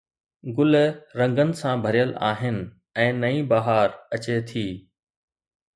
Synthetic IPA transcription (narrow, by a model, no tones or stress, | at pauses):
ɡʊlɾɐ̃ŋɡənɪ̆sãbʱɐɾijəla̰ːɦɪnɪ̆ | ɛ̃ːnɐĩːbaɦaːɾɐt͡ɕet̪ʰiː